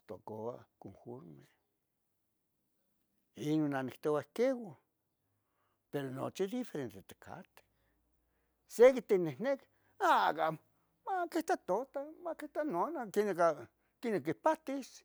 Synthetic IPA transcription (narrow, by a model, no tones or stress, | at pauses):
t̪o̰koa̰komfoɾme | inonːanikt̪owakewo | peɾono̰t͡ʃid̪ifeɾent̪et̪e̥kʰa̰t̪e̥ | sekit̪inenek | aka̰ | makeht̪at̪ot̪amakeht̪anonakineka | kinekipat̪is